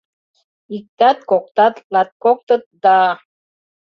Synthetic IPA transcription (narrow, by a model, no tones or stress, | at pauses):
ik̚t̪at̪̚kok̚t̪at̪lat̪̚kok̚t̪ət̪̚d̪a